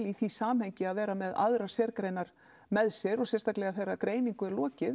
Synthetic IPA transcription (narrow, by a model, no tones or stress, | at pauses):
liθisaːmhɛɲcɪaðvɛːɾamɛða̰ðɾaɾ̥sɛɾkɾejnaɾ̥ | mɛðsɛɾɔɣsɛnst̪aklɛɣaθejrːakɾeːjniŋkʏɛɾlɔːcɪ